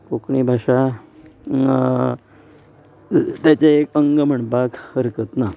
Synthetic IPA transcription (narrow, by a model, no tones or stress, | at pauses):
kokɳibʱaʂa | t̪jat͡ɕeekəŋɡəm̤əɳpakhəɾkət̪na